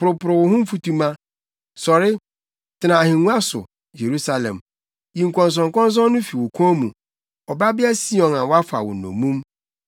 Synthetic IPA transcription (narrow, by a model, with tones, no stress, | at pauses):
pʊ˨ɾʊ˨pʊ˨ɾʊ˨wʊ˨hʊ̃˦m̩˦fu˦tu˦mã˦ | sɔ˨ɾɪ˦ | tʰɪ˨˦nã˨a˨hĩ˨nũ˦a˦sʊ̰˨ | je˨ɾu˦sa˨lɛ̰̃˨m | jĩ˨ŋ̩˨kʷɔ̃˨n˨s̬ɔ̃˨ŋ˨kɔ̃˦n˦s̬ɔ̃˦nʊ̃˦fi˨wɔ˨kʷʰũ˦mũ˨ | ɔ˨ba˦bɪ˦a˦si˦ɔ̃˨nã˨wɔ˦a˦fa̰˨wʊ̰˨nɔ̰̃˨mũ˦m